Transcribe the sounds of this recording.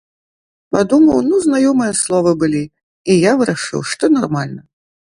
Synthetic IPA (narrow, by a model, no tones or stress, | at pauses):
pad̪umɐwnuznajɔmɨjɐslˠɔvɨbɨlʲi | ijavɨɾaʂɨ̰wʂt̪ɔnarmalʲnɐ